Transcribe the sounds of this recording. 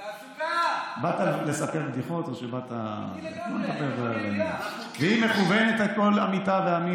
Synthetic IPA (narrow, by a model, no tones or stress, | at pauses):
bat̪alesape̞ʁbd̪iχo̞t̪o̞ʃebat̪a̰molesapeʁ | veime̞χuvenet̪ako̞lamitaveami